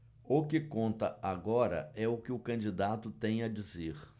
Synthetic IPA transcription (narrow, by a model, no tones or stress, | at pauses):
ʊkɪkõnt̪ɐaɡɔɾɐ̰ɛʊkɪʊkɐ̃nd͡ʒid̪at̪ʊt̪ẽj̃ɐd͡ʒizeɾ